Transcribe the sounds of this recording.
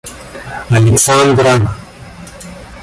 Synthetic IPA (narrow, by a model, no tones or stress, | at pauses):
aleksãnd̪ɾan